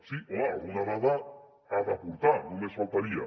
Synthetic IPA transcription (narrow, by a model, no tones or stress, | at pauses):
sioaɣunaβaða | haðapuɾt̪anũmesfalt̪aɾia̰